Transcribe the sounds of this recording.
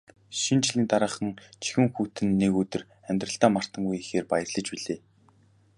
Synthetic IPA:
ʃint͡ɕɮiːnt̪aɾə̆ːχə̆ŋt͡ɕʰi̥xɘ̆ŋxuːt̪ɘ̆nːekɵt̪ɵ̆r | æmʲt̪rə̆ɬt̪aːmar̥t̪ə̆ŋujixeːrpajə̆rɮə̆t͡ɕpiɮeː

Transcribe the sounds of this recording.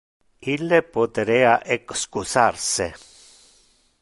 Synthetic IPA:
ilːepot̪ɾeaʔekskusaɾse

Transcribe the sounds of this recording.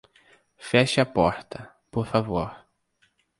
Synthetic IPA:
fɛʃɪɐpɔɾt̪ɐ | poɾfavoɾ

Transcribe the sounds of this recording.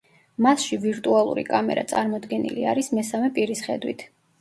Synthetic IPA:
masʃiviɾt̪ʼualˠṵɾḭkʼamɛ̰ɾa̰t̪sʼaɾmɔd̪ɡɛnḭlḭa̰ɾismɛsamɛpʼiɾisχɛd̪wḭt̪ʰ

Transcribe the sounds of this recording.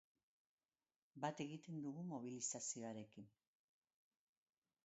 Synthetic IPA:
bat̪e̞ɣit̪e̞nd̪uɣumo̞β̞ilisasio̞aɾe̞kin

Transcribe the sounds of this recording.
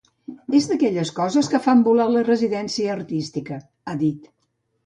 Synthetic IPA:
ezðəkɛʎəskɔzəskəfambulalərəziðɛnsiəːrt̪ist̪ikə | aðit̪

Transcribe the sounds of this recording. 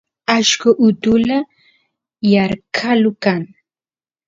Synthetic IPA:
aʃkʊʔʊt̪ʊla | jaɾkʰalʊkaŋ

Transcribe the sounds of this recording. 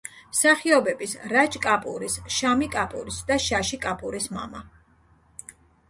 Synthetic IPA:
msaχiɔbɛbisɾat͡ʃʼkʼapʼṵɾisʃamikʼapʼṵɾisd̪aʃaʃikʼapʼuɾisma̰ma

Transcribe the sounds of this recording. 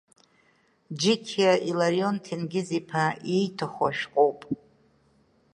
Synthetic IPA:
d͡ʒɪkʲʰaʔilaɾio̞ntʰinɡʲɪzipʰaijtʰaχʷa̰ʃᶣqʼowpʼ

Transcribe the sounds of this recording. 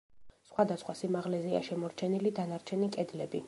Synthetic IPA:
sχwad̪asχwasimaʁlɛzɛa̰ʃɛmɔɾt͡ʃʰɛnilid̪anaɾt͡ʃʰɛnikʼɛd̪lɛbi

